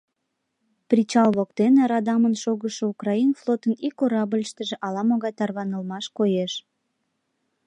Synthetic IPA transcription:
prʲit͡ɕɑlβokt̪eneɾɑd̪ɑmənʃoɣəʃoukrɑinflˠot̪ənikoɾɑbəlʲʃt̪əʒĕʔɑlɑmoɣɑjt̪ɑrβɑnəlmɑʃkojeʃ

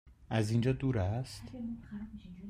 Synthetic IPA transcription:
azĩnd͡ʒɐd̪uɾast̪

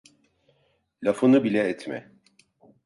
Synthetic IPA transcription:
lʲafonubilʲɛːt̪ʰmɛ̰

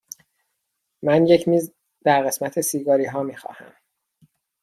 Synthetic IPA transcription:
mænje̞cʰmiːz | d̪æɾɣe̞smæt̪ʰesiːɡɒːɾiːɦɒːmiːxɒ̰ːhæ̰m

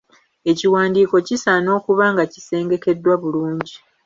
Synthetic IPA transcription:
e̞ciwaːndiːko̞cisano̞ːkuβaːŋɡaci̥se̞ːŋɡe̞ke̞dːwaβuluːɲɟi

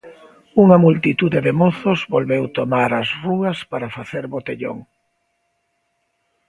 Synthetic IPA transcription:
uŋɐmult̪it̪uðeðemoθozβolβewt̪omaɾɐsruɐspaɾafaθeɾβot̪eʎo̰ŋ

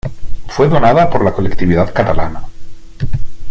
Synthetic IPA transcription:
fwe̞ðo̞naðapo̞ɾlako̞lekt̪iβiðaðkat̪alana

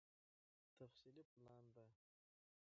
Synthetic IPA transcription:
t̪ʰafsiliplˠand̪a

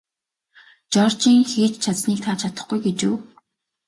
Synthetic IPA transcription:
t͡ɕɔrt͡ɕiːŋxeːt͡ɕt͡ɕʰat͡sniːk̚t̪ʰaːt͡ɕʰat̪ə̥̆χɡujɡet͡ɕuː

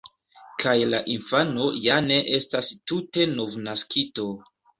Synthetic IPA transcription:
kajlaʔinfano̞jane̞ʔe̞stastute̞no̞vnaskʰito̞

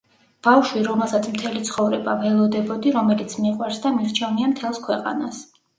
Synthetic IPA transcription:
b̥avʃwiɾɔmɛlˠsat̪sʰmt̪ʰɛlit̪sʰχɔvɾɛbavɛlˠɔd̪ɛbɔd̪iɾɔmɛlit̪sʰmiqʼwaɾsd̪amiɾt͡ʃʰɛniamt̪ʰɛlˠskʰwɛqʼa̰nas

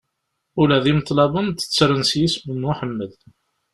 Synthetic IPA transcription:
ʊlæðimət̪ˤlɑbənt̪ə̥t͡sːɾənsjisbənuħəmːəl

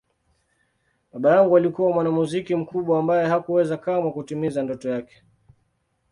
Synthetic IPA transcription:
ɓaɓajaŋɡualikuwamwanamuzikim̩kuɓwaːmbajɛhakuwɛzakamwakutimizandɔtɔjakɛ̥

